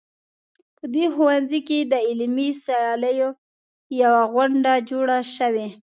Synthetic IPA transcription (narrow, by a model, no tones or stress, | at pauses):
pəd̪exuwanziked̪əɪlmisajɑləjo | jawaɣwaɳɖad͡ʒoɽaʃəwe